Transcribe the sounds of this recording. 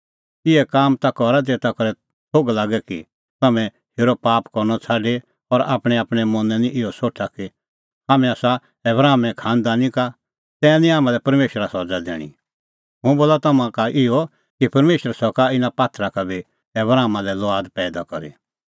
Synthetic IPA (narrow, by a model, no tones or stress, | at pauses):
ɪɛkaːmt̪akɔɾat̪̬et̪akɔɾɛ | t̪ʰoːɡlaːɡɛki | t̪ɐmɛ̃ | hʰeːɾɔpaːpkɔɾnɔt͡sʰaːɖe | ɔɾa̰ːpɽ̃ɛaːpɽ̃ɛmɔ̃nɛ̃nĩʔɪɔsoːʈʰaki | ɦaːmɛ̃aːsa | ɛbɾaːmɛ̃kʰãːnd̪aːnĩka | t̪ɛ̃ːãnĩaːmãlɛpɐɾmeːʃɾasɔd͡zad̪ɛ̰ːɽ̃ḭ̃ | ɦʊ̃boːlat̪ɐmãkaʔɪɔ | kipɐɾmeːʃəɾsɔkaɪnapaːt̪ʰɾakabʱi | ɛbɾaːmalɛlɔaːd̪pɛːd̪akɔɾḭ